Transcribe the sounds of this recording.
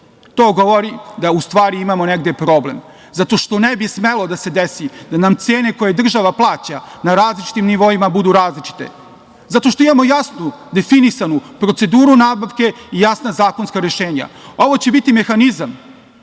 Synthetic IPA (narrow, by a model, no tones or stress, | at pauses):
t̪o̞ːɡo̞ʋoɾid̪aust̪ʋaːɾiimamo̞neɡd̪e̞pɾo̞ble̞m | zat̪o̞ʃt̪o̞nebismelod̪ase̞d̪esid̪anamt̪seːne̞ko̞je̞d̪r̩ʒaʋaplˠaːt͡ɕanaɾaːzlit͡ʃi̥t̪imniʋo̞imabud̪uɾaːzlit͡ʃi̥t̪e̞̰ | zat̪o̞ʃt̪o̞imamo̞jasnud̪e̞finisanupɾo̞t̪se̞d̪uːɾunaːbaʋke̞ijasnazaːko̞nskaɾeʃeːɲa̰o̞ʋo̞t͡ɕe̞bit̪ime̞xanizam